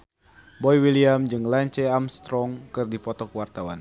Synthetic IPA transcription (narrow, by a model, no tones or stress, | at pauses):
bɔjwiliamd͡ʒɨŋlaɲt͡ʃɛamst̪ɾɔŋkɨrdipɔt̪ɔkuwart̪awan